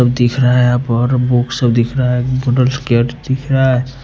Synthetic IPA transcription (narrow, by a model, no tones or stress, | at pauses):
əbd̪ikʰɾaɦpəɾbuksəbd̪ikʰɾaboɖəlskeʈd̪ikʰɾa